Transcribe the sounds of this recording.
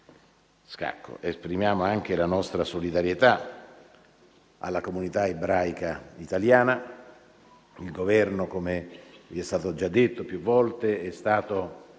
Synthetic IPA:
ska̰kːo̰ʔespɾimjaːmoaŋk̟elanɔst̪ɾasolid̪aɾjet̪a | a̰lːakomunit̪aebɾajkait̪aljaːna | ilɡovɛrnokomeviɛst̪aːt̪od͡ʒad̪ːet̪ːopjuvːɔlt̪eɛst̪aːt̪o

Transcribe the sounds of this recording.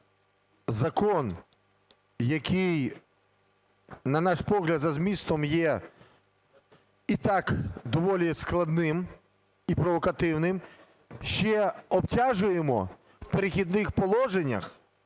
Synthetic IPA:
zɐkɔn | jɐkɪj | nɐnɑʃpɔɦlʲɐd̪zɐzmʲist̪ɔmjɛ | it̪ɑkd̪ɔʋɔlʲisklˠɐd̪nɪm | ipɾɔʋɔkɐt̪ɪwnɪm | ʃt͡ʃɛɔbtʲaʒʊjemɔ̰ | wpeɾɪxʲid̪̚nɪxpɔlˠɔʒenʲːɐ̰x

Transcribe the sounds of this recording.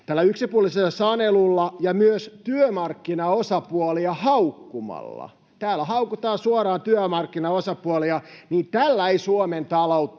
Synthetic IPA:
t̪ælːæyksipuoliselːɑsɑnelulːɑjɑmyøst̪yømɑrkːinɑosɑpuoliɑhɑukːumɑ̰lːɑ̰ | t̪æːlːˑæhɑukut̪ɑːsuoɾɑːnt̪yømɑrkːinɑosɑpuoliɑniːt̪ælːæeisuoment̪ɑlout̪ː

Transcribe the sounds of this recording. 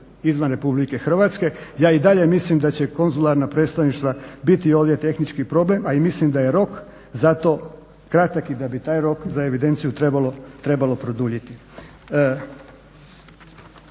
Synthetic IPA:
izʋanɾe̞publike̞xr̩ʋaːt̪ske̞jaːid̪aʎe̞mislimd̪at͡ɕeko̞nzulˠaɾnapɾet̪st̪aʋniʃt̪ʋabit̪io̞ːʋd̪je̞t̪e̞xnit͡ʃkipɾo̞ble̞maimislimd̪aje̞ɾo̞k | zat̪o̞ː | kɾat̪akid̪abit̪aːjɾo̞kzae̞ʋid̪e̞nt̪sijut̪ɾebalo̞t̪ɾe̞balo̞pɾo̞d̪uʎit̪i

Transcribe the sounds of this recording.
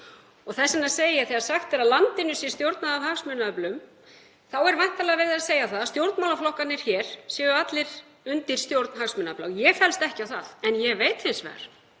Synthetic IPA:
ɔɣθɛsːɪnaseːjɪθɛaɾ̥saxt̪ɛɾaðlant̪ɪnːʏsjɛst̪jowɾt̪naðavɦaxsmʏnaœplʏm | θawɛɾvajh̪t̪alɛɣavɛɾðaðseːjaθaðast̪jowɾt̪nmaːlaflɔhkanːɪɾ̥çɛːɾ̥sjɛːɣʏat̪lɪɾ̥ | ʏnt̪ɪɾ̥st̪jowɾt̪nɦaksmʏnaœpla̰jɛɣfɛlst̪ɛhcawθa̰ðɛnjɛɣveːjt̪θɪnsvɛ̰ːɣa̰ɾ̥

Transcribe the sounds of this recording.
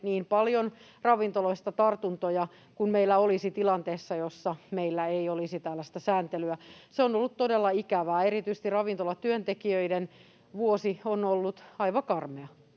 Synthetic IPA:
niːmpɑljon | rɑʋint̪oloist̪ɑt̪ɑrt̪unt̪ojɑ | kunmeilːæolisit̪ilɑnt̪eːsːɑjosːɑmeilːæeiolisit̪ælːæst̪æsæːnt̪elyæseonolːut̪t̪odelːɑikæʋæːerit̪yise̥st̪irɑʋint̪olɑt̪yønt̪ekiøiden | ʋuosionolːut̪ɑiʋɑkɑrmeɑ

